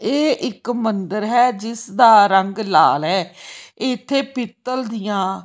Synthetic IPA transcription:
eːʔɪkmənd̪əɾɦɛːd͡ʒɪsd̪aːɾəŋɡla̰ːlɦɛːɪt̪ʰːeːpɪt̪ːəld̪ɪjãː

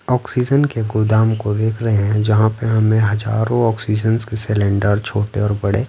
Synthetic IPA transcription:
ɔːksiːd͡ʒənkeɡʊd̪aːmkod̪eːkʰɾɐɦeɦɛ̃d͡ʒɐɦãpeɦɐmẽɦɐd͡ʒaːɾõɔːksiːd͡ʒənskesɪlẽɳɖəɾt͡ʃʰoːʈeɔːɾbɐɽeː

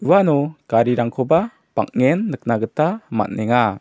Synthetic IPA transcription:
uwanɔkaɾiɾaŋkʰɔba | pa̰k̚ŋɛnːək̚naɡətama̰t̚nɛŋa

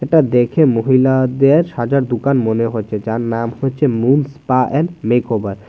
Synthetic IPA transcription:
eʈad̪ekʰemoɦilad̪eɾʃad͡ʑaɾd̪ukanmoneɦoet͡ɕʰed͡ʑaɾnamhoet͡ɕʰemunspaʔɛlmekobaɾ

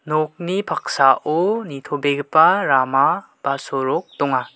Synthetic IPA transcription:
nɔk̚nipʰak̚saʔonitʰobeɡɯpaɾama | b̥asɔɾɔk̚dɔŋa

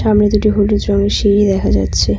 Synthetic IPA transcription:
amnid̪uʈiɦolid͡ʑɾɔmeʃiɾid̪ɛkʰad͡ʑatːɕʰe

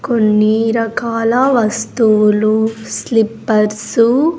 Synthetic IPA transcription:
konːiɾɐkaːlɐʋɐst̪uːluslipːɐɾsu

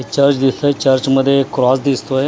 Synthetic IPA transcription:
t͡ʃəɾt͡ʃd̪ɪsɐt͡ʃɐɾt͡ʃməd̪ʱekʊɾaːsd̪ɪst̪oe

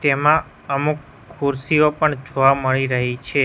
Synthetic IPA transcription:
t̪emã | əmukʰː | uɾsiopəɳd͡ʒoʋaməɭiɾəɦit͡ʃʰe

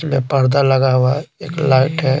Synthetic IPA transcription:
mẽpəɾd̪aləɡaɦuaeːklaːɪʈɦɛ

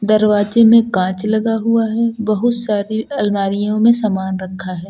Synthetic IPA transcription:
d̪ɐɾʋaːzemẽkãːt͡ʃlɐɡaɦuaɦɛbɐɦʊt̪saːɾiɐlmaːɾijõmẽsaːmaːnɾɐkʰːaɦɛː

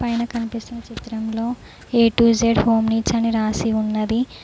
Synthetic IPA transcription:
pɐjnɐkɐnipist̪unːɐt͡ʃit̪ɾɐmlo̞ː | eːʈuːd͡ʒeːɖho̞ːmniːt͡ʃɐniɾaːsiunːɐd̪i

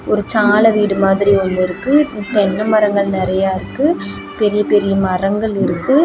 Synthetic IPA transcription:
ɔɾɯt͡ʃaːlɐʋiːɽɯmaːðɪɾiɔnd̪ɪɾɯkːɯt̪ɛnːɐmɐɾɐŋɡɐɭnɪɾɐjaːɪɾɯkːɯ | pɛɾɪjɐpɛɾɪjɐmɐrɐŋɡɐɭɪɾɯkːɯ

